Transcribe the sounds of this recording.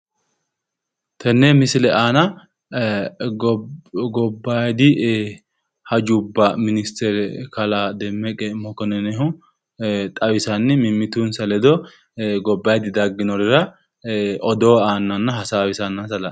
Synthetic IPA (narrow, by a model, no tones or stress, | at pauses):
t̪ʰɐnːɛmɪsɪlɛʔaːnɐ | ɡɔbːajd̪ɪ | hɐd͡ʒʊbːɐmɪnɪst̪ɛɾɛkɐlad̪ɛmːɛkʼɛmɔkɔnɛnɛɦʊ | t̪ʼɐwɪsɐnːɪmɪmːɪt̪unsɐlɛd̪ɔ | ɡɔbːaːjd̪ɪd̪ɐɡːɪnɔɾɪɾɐ | ʔɔd̪oːaːnːɐnːɐɦɐsaːwɪsɐnːɐsɐlɐ